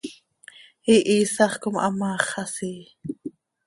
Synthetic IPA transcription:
iʔiːsɑχkomʔɑ̰mɑːχɑsiː

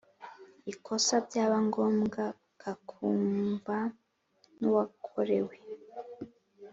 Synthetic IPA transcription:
ikʰo̞sabɟaːβaŋɡo̞ːmɡa | kʰakʰuːmba | nuwakʰo̞ɾe̞we

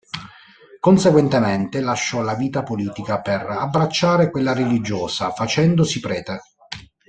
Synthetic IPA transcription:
konseɡwent̪emɛnt̪elaʃːɔlaviːt̪apoliːt̪ikaperabːɾat͡ʃːaːɾekwelːaɾelid͡ʒoːsafat͡ʃɛnd̪osipɾɛːt̪e

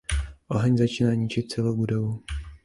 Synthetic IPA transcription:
ʔoɦɛɲzat͡ʃinaːɲɪt͡ʃɪt̪̚t͡sɛlowbudovu

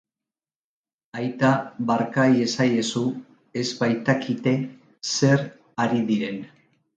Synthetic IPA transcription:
ajt̪aβaɾkaje̞saje̞su | e̞zbajt̪akʰit̪e̞ | se̞ɾ | aɾiðiɾe̞n

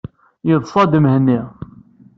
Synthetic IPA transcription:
jəðˤfɑd̪əmhənːi

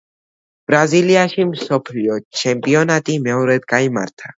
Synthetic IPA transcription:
b̥ɾaziliaʃimsɔpʰliɔt͡ʃʰɛmpʼiɔnat̪ʼimɛɔɾɛd̪kʼaima̰ɾt̪ʰa

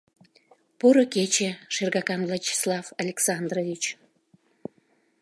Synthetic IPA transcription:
puɾoket͡ɕeʃerɣɑkɑnvlat͡ɕi̥slɑvalʲeksɑnd̪rovit͡ɕ

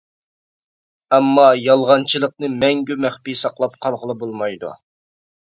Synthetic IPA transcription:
ɛmːɑjɑlˠʁɑnt͡ʃʰilˠəq̚nɨmɛŋɡʲymæχpisɑqlˠɑpqʰɑlˠʁəlˠɨbolˠmɑjd̪ṵ

